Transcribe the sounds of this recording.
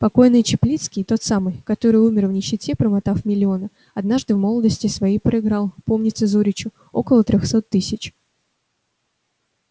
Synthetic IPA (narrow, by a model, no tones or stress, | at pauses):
pɐko̞jnɨjt͡ɕɪplʲit̪skʲɪjt̪o̞t̪samɨjkɐt̪o̞ɾɨjumʲɪrvnʲɪɕːɪtʲepɾəmɐt̪afmʲɪlʲɪo̞nə | ɐd̪naʐd̪ɨvmo̞lˠəd̪əsʲtʲɪsvɐjijpɾəɪɡɾalˠpo̞mnʲɪt̪səzuɾʲɪt͡ɕʊ | o̞̰kəlˠət̪ɾʲoxso̞t̪ːɨsʲɪt͡ɕ